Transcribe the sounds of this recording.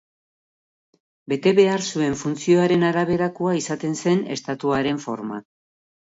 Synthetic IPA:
be̞t̪e̞βe̞aɾsue̞ɱfunt͡sio̞aɾe̞naɾaβe̞ɾakoaisat̪e̞nse̞ne̞̰st̪at̪uaɾe̞ɱfo̞̰ɾma̰

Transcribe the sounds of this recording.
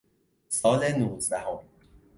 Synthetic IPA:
sɒːlenuːzd̪æhom

